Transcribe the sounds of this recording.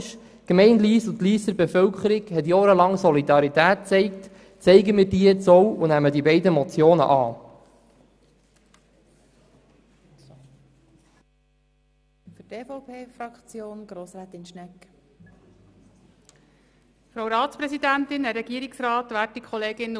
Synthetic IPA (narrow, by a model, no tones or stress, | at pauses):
ʃ | kmɛɪndliːsʊt̪liːsəɾbefœwkχəɾɪɡhɛt̬jɑːɾəlɑŋsɔlid̪ɑɾit̪æːt̚t͡sɛɪkt | t͡sɛɪɡəmɪːɾdiːt͡sɔwʊnæmədibɛɪdəmɔt͡sjoːnə̰ʔɑː | fyteːfɔʊpʰeːfɾɑkt͡sjoːnɡ̥ɾoːsɾɛːt̪ɪnʃnɛk | fɾowɾɑːt̪t͡spɾɛsid̪ænt̪ɪnɛɾːɛɡiːəɾɪksrɑːt̪ʋæːt̚ːikʰχɔleːɡɪn